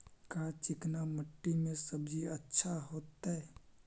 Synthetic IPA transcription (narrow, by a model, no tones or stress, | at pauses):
kat͡ʃɪknaməʈːimẽsəbd͡ʒiətːʃʰaɦoːt̪aɛ